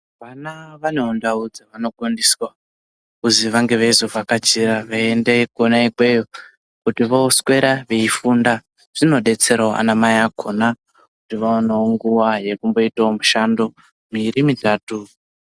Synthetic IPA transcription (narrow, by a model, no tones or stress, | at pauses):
ʋanaʋaneondaud͡zaʋano̞kondiswa | kuziʋaŋɡe̞ʋeizovʱakat͡ʃiɾaʋaendekonaikwejo | kutiʋo̞swe̞ɾaʋeifunda | ʐ̥ino̞ɗe̞t͡se̞ɾaʔa̰namajakʰo̞na | kutiʋaonaoŋɡuwaje̞kumbo̞itaomuʃando̞ | miɾimitaːtu